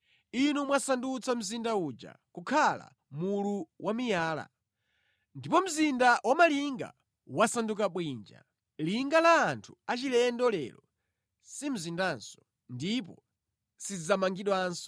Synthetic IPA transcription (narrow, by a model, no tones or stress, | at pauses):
inumwasandut͡sʰam̩zindaud͡ʒa̰kukʰala̰ | muluwʔamijaːla̰ | ndipɔm̩zindawamaliŋɡa̰ | wasandukaɓwiːnd͡ʒa̰ | liŋɡalaːntʰu̥at͡ʃilɛndɔlɛ̰lɔ | sim̩zindansɔ̥ | ndip̬ɔ | sid͡zamaŋɡiɗwaːnsɔ̥